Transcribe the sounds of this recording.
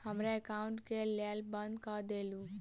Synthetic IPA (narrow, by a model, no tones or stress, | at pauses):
həmɾaəkauɳʈkeljalbənd̪kəd̪elũ